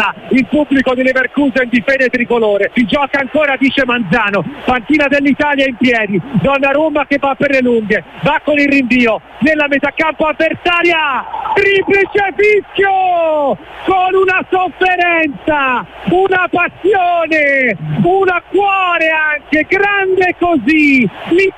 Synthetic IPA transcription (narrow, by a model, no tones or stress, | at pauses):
ailpubːlikod̪ileverkuːzaind̪ifɛːd̪et̪ɾikoloːɾesid͡ʒɔkaːŋkoːɾad̪iːt͡ʃemand̪zaːnopaŋk̪iːnad̪elːit̪aːljaimpjɛːd̪id̪ɔnːaɾomakevːapːerleluŋɡevakːonilriɱviːo | vɛlːamezakːampoavbːertaːɾjariplit͡ʃefiskjo | konunasofːeɾɛnt̪saunapasːjoːneunakwɔːɾeaŋkeɡɾand̪ekːozili